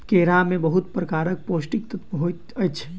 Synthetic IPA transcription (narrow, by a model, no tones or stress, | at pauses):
keɾamebəɦut̪pɾəkaɾək̚posʈikt̪ət̪ɦot̪əjtt͡ʃʰɛ̥